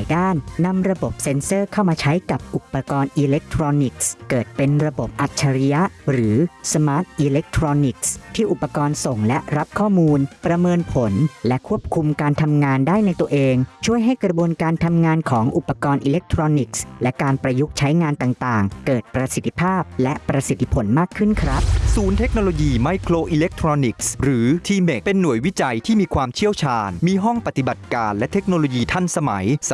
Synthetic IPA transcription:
jdaː˥˩nːa˧mɾa˧bo˨˩p̚se˧nsɤː˥˩kʰa˥˩wmaː˧t͡ɕʰa˦˥jka˨˩p̚ʔu˨˩pːa˧kɔː˧nʔiː˧le˦˥k̚t̪ʰɾoː˧ni˨˩k̚skɤː˨˩t̪̚pe˧nɾa˧bo˨˩p̚ʔa˨˩t̪̚t͡ɕʰa˧ɾi˦˥ja˦˥ʔɾɯː˩˦sa˧maː˦˥t̪̚ʔiː˧le˦˥k̚t̪ʰɾoː˧ni˨˩k̚st̪ʰiː˥˩ʔu˨˩pːa˧kɔː˧nso˨˩ŋlɛ˦˥ɾa˦˥p̚kʰɔː˥˩muː˧npɾa˧mɤː˧npʰo˩˦nlɛ˦˥kʰu˥˩əp̚kʰu˧mkaː˧nt̪ʰa˧mŋaː˧ndaː˥˩jna˧jt̪u˧əʔeː˧ŋt͡ɕʰu˥˩əjɦa˥˩jkɾa˧bu˧ənkaː˧nt̪ʰa˧mŋaː˧nkʰɔː˩˦ŋʔu˨˩pːa˧kɔː˧nʔiː˧le˦˥k̚t̪ʰɾoː˧ni˨˩k̚slɛ˦˥kaː˧npɾa˧ju˦˥k̚t͡ɕʰa˦˥jŋaː˧nt̪aː˨˩ŋt̪aː˨˩ŋkɤː˨˩t̪̚pɾa˧si˨˩t̪ʰːi̥˧pʰaː˥˩p̚lɛ˦˥pɾa˧si˨˩t̪ʰːi˧pʰo˩˦nmaː˥˩kʰːɯ˥˩nkʰɾa˦˥p̚suː˩˦nt̪ʰe˦˥k̚noː˧loː˧jiː˧ma˧˦jkʰɾoː˧ʔi˧le˦˥k̚t̪ʰɾɔː˧ni˨˩k̚sɾɯː˩˦t̪ʰiː˧me˨˩pe˧nːu˨˩˦əjwi˦˥t͡ɕa˧jt̪ʰiː˥˩miː˧kʰwaː˧mt͡ɕʰi˥˩əwt͡ɕʰaː˧nmiː˧ɦɔ˥˩ŋpa˨˩t̪i˨˩ba˨˩t̪̚kaː˧nlɛ˦˥t̪ʰe˦˥k̚noː˧loː˧jiː˧t̪ʰa˥˩nsa˧ma̰˩˦j

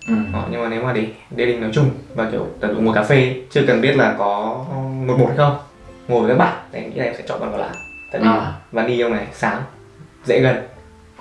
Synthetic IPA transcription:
ʔɔ˨˩ɲɨ˧ŋmaː˨˩ne˨˦wmaː˨˩ɗe˨˩ɗe˧˩ɗï˨˩ŋnɔ˨˦jt͡ɕʊ˧ŋ͡mvaː˨˩t͡ɕḭ˧˩˨t̪a˨˩zṵ˧˨ŋu˨˩ə˩kaː˨˦fe˧t͡ɕɨ˧əkə˨˩nɓi˦˥ət̚laː˨˩kɔ˨˦mo˨˩t̚mo˨˩t̚ha˧˦jxə˧wŋ͡m | ŋo˨˩və˨˩kaː˨˦ɓa̰ː˧˨˩jna˨˩ŋḭ˧˥aː˧˩˨sɛ̰˧˥t͡ɕɔ̰˧˨ɓaː˨˧˩a˨˩lʔa̰ː˧˨ŋt̪a̰˧˨˧vaː˨˦nɗi˧ʔə˧wŋ͡mna˨˩jsaː˨˦ŋ | zɛ̰˧˥ɣə˨˩n

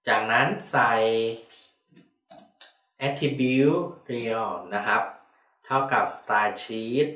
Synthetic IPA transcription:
t͡ɕaː˨˩k̚na˦˥nsa˧j | ʔɛ˦˥t̪ʰːi˧bi˦˧˥wɾi˧ɔ˧˩na˦˥kʰa˦˥p̚ | t̪ʰa˥˩wka˨˩p̚st̪aː˧t͡ɕʰiː˦˥t̪̚

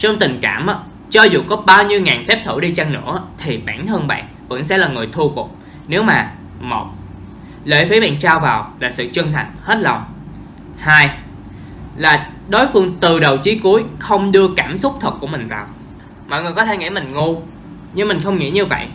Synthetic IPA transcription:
t͡ɕɔ˧wŋ͡mt̪ï˨˩ŋ̟kaː˧˩mʔa˧˦ | t͡ɕɔ˧zṵ˨˩kɔ˨˦ɓaː˧wɲi˧əwŋaː˨˩nfɛ˦˥p̚t̪ʰɨ̰˧˩ɗi˧t͡ɕa˧ŋnɨ̰˧˥ət̪ʰi˨˩ɓa̰ː˧˩nhəː˧nɓa̰ː˧˨n | və̰˧˥nsɛ̰˧˥laː˨˩ŋɨ˨˩əjt̪ʰu˧kʊ˨˩k͡p̚ | ne˨˦wmaː˨˩ | mo˨˩t̚ | lḛː˧˩jfi˨˦ɓa̰ː˧˨nt͡ɕaː˧wvaː˨˩wlaː˨˩sɨ̰˧˨t͡ɕɨ˧ŋt̪ʰa˨˩ŋ̟he˦˥t̚lɔ˨˩wŋ͡m | haː˧j | laː˨˩ | ɗo˨˦jfɨ˧əŋt̪ɨ˨˩ɗə˨˩wt͡ɕi˨˦ku˨˦jxə˧wŋ͡mɗɨ˧əkaː˧˩msʊ˦˥k͡p̚t̪ʰə˨˩t̚ku˧˩əmï˨˩ŋ̟vaː˨˩w | mɔ̰˧˨jŋɨ˨˩jkɔ˨˦t̪ʰe˧˩ŋḭ˧˥mï˨˩ŋ̟ŋu˧ | ɲɨ˧ŋmï˨˩ŋ̟xə˧wŋ͡mŋḭ˧˥ɲɨ˧və̰˧˨jʔ

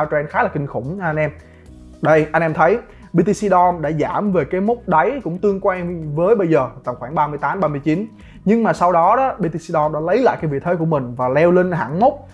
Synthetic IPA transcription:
t͡ɕwɛ˧nxaː˨˦˥laː˨˩kï˨˩ŋ̟xʊ˧˩ŋ͡mʔa˧n̟ʔɛ˧m | ɗə˧jʔa˧jŋ̟ʔɛ˧mt̪ʰə˨˦j | ɓi˧t̪i˧si˧ɗɔ˧nɗa̰ː˧˥zaː˧˩mve˨˩kaː˨˦jmʊ˦˥k͡p̚ɗə˨˦jkʊ̰˧˥ŋ͡mt̪ɨ˧əŋkwa˧ŋvəː˨˦jɓə˧jzəː˨˩t̪a˨˩ŋ͡mxwaː˧˩ŋɓaː˧mɨ˧əjt̪aː˨˦mɓaː˧mɨ˧əjt͡ɕi˨˦n | ɲɨ˧ŋmaː˨˩sa˧wɗɔ˨˦ɗɔ˨˦ɓi˧t̪i˧si˧ɗɔ˧nɗa̰ː˧˥lə˨˦jla̰ː˧˨kaː˦vḭ˨˧˨t̪ʰeː˨˦ku˧˩əmï˨˩ŋ̟vaː˨˩lɛ˧wli˧ŋɦa̰ː˧˩ŋmo˦˥k͡p̚

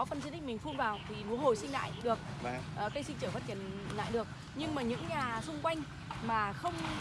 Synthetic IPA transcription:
ɔ˨˦fə˨nzi˧t̪ï̟˦˥mï˨˩ŋ̟fu˧nvaː˨˩wt̪ʰi˨˩mu˨˦nho˨˩jsï˧ŋla̰ː˧˨jɗɨ˨˩ək̚ | ʔəː˨˩kaː˧˦jsï˧ŋt͡ɕɨː˧˩fə˦˥t̚t͡ɕi˧˩ənla̰ː˧˨jɗɨ˨˩ək̚ | ɲɨ˧ŋmaː˨˩ɲɨ̰˧˥ŋɲaː˨˩sʊ˧ŋ͡mkwa˧jŋ̟ | maː˨˩xə˧wŋ͡m

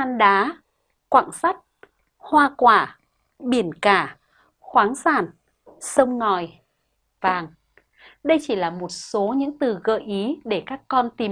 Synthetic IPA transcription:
aː˧nɗaː˨˦ | kwa̰ː˧˨ŋsa˦˥jt̚ | hwaː˧kwaː˧˩ | ɓi˧˩ənkaː˧˩ | xwaː˨˦ŋsaː˧˩n | sə˧wŋ͡mŋɔ˨˩j | vaː˨˩ŋ | ɗə˧jt͡ɕi˧˩laː˨˩mo˨˩t̚so˨˦ɲɨ̰˧˥ŋt̪ɨ˨˩ɣə̰ː˧˨jʔi˨˦ɗe˧˩kaː˦˥kːɔ˧nt̪i˨˩

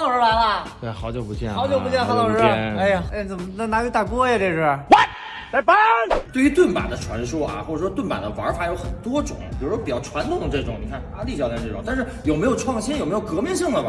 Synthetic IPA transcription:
t̪ɑ˨ʊʂɻ̩˧˥la˧˥ɪlə˧ | wxɑ˧˥ʊt͡ɕjo˥˩pu˧˥t͡ɕjɛ̰˥˩nxɑ˧˥ʊt͡ɕjo˥˧pu˧˥t͡ɕjɛ˥˩nxɑ˧˥ʊɑ˨˩ʊʂɻ̩˥˧e˥˩e˥˩t͡sə˨˩məna˥˩na˧˥kt̪a˥˩kwɔ˥jɛ˧t̪e˥˧ʂɻ̩˥˩wɛ˥˩ | t͡sa˥˩ɪpa˥nt̪we˥˩ɪy˧˥t̪wə˥˩npa̰˨˩d̪ə˦ʈ͡ʂʰwa˧˥nʂu˥ɐ̰˧˨xwɔ˥˩ʈ͡ʂʂwɔ˥t̪wnpa̰˨˩d̪ə˦wɐ˧˥fa˨˩jo˧˥ʊxə˨˩nt̪wɔ˥ʈ͡ʂʊ˨˩˦ŋpi˨˩ɻu˧˥ʂwɔ˥pi˨˩t͡ɕɑ˥˩ʊʈ͡ʂʰwa˧˥nt̪ʰʊ˨˩ŋ˦ʈ͡ʂɤ˥˩ʈ͡ʂʊ̰˨˩˦ŋni˨˩kʰa˥˩nta̰˧˥t̪i˥˩ɕjɑ˥˧t̪jɛ˥˧˩ʈ͡ʂɤ˥˩ʈ͡ʂʊ̰˨˩˦ŋt̪a˥˧nʂɻ̩˥˩jo˨˩ʊme˧˥ɪjo˨˩ʊʈ͡ʂʰwɑ˥˩ŋɕi˥njo˨˩m˧˥jo˨˩kɤ˧˥mi˥˧ŋɕi˥˩ŋd̪ə˩a˩

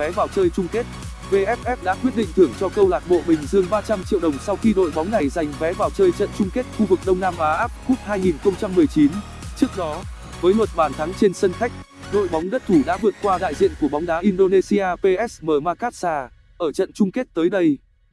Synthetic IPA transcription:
vɛ˨˦ɓaː˨˩wt͡ɕəː˧jt͡ɕʊ˧ŋ͡mke˦˥t̚ | ve˧ʔɛ˦˥ʔɛ˦˥p̚ɗa̰ː˧˥kwət̚ɗḭ̈˧˨ŋ̟t̪ʰɨ˧˩əŋt͡ɕɔ˧kə˧wlaː˨˩t̚ɓo̰˧˨mï˨˩ŋ̟zɨ˧əŋɓaː˧t͡ɕa˧mt͡ɕḭ˧˨wɗə˨˩wŋ͡msa˧wxi˧ɗo̰˧˨jɓa˨˦wŋ͡mna˨˩jza˨˩jŋ̟vɛ˨˦ɓaː˨˩wt͡ɕəː˧jt͡ɕə̰˧˨nt͡ɕʊ˧ŋ͡mke˦˥t̚xu˧vɨ˨˩k̚ɗə˧wŋ͡mnaː˧mʔaː˨˦ʔaː˦˥p̚xu˦˥p̚haː˧jŋi˨˩nxə˧wŋ͡mt͡ɕa˧mːɨ˨˩əjt͡ɕi˨˦n | t͡ɕɨ˦˥ək̚ɗɔ˨˦ | vəː˨˦jlwə˨˩t̚ɓaː˨˩nt̪ʰa˨˦ŋt͡ɕe˧nsə˧nxa˦˥jk̟̚ɗo̰˧˨jɓɔ˨˦wŋ͡mɗə˦˥t̚t̪ʰu˧˩ɗa̰ː˧˥vɨ˨˩ət̚kwaː˧ɗa̰˧˨jzḭ˧˨ənku˧˩əɓa˨˦wŋ͡mɗaː˨˦ʔi˧nɗo˧ne˧si˧aː˧pe˧ʔɛ˦˥sməː˨˩maː˧kaː˦˥t̚saː˧ | ʔəː˧˩t͡ɕə̰˧˨nt͡ɕʊ˧ŋ͡mke˦˥t̚t̪əː˨˦jɗə˧j

